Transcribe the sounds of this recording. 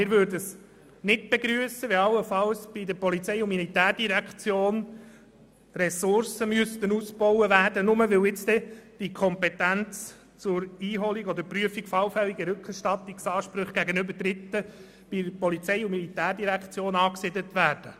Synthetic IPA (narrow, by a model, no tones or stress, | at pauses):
mɪɾʋøːɾdəs | nɪt̚b̥eɡɾyəsəʋɛɑlːəfɑlsb̥id̪əɾpɔlit͡sɛjʊnmilit̪æːrd̥iɾækχt͡sjoːn | rɛsʊɾsəmøst̪ənusbɔwəʋæːɾd̥ənʊməʋɪlɪt͡st̪ɛd̥ikʰɔmpɛtænt͡s | t͡sʊɾiːɦɔliɡɔd̪əɾpryəfikfɑlfɛliɡəɾɵkχɛɾʃtɑt̪ːiksɑːʃpɾɵχɡ̥æɡənɵbəɾdɾɪt̪ːə | b̥ipɔlit͡sɛɪʊnmilit̪æːrdiɾækχt͡sjoːnɑːksɪd̪ət̪ʋæːɾd̥ə